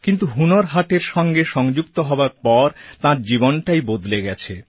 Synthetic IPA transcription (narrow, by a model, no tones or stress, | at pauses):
kint̪uɦunoɾɦaʈeɾʃɔŋɡeʃɔŋd͡ʑukt̪oɦɔoaɾpɔɾt̪ãɾd͡ʑibonʈajbod̪leɡɛt͡ɕʰe